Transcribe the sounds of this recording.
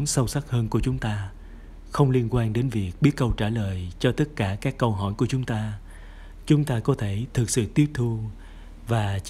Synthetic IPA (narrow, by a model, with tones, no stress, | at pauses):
nsə˧wsa˦˥t̚həː˧nku˧˩ət͡ɕʊ˨˦ŋ͡mt̪aː˧ | xə˧wŋ͡mli˧ənkwaː˧nɗe˨˦nvi˨˩ək̚ɓi˦˥ət̚kə˧wt͡ɕaː˧˩ləː˨˩jt͡ɕɔ˧t̪ə˦˥t̚kaː˧˩kaː˦˥kːə˧wɦɔ˧˩jku˧˩ət͡ɕʊ˨˦ŋ͡mt̪aː˧ | t͡ɕʊ˨˦ŋ͡mt̪aː˧kɔ˨˦t̪ʰe˧˩t̪ʰɨ˨˩k̚sɨ̰˧˨t̪i˦˥əp̚t̪ʰu˧ | vaː˨˩